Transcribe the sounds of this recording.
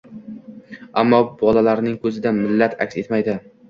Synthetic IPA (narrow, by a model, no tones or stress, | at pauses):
amːɒbɒlalaɾnɪŋkʰɵzɪd̪amɪlːat̪ʰa̰kʲse̞t̪majd̪ɪ